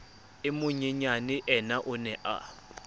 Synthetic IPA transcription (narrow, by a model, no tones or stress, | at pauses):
ɪmʊɲɛɲanɪʔɛnaʔʊnɛʔa̰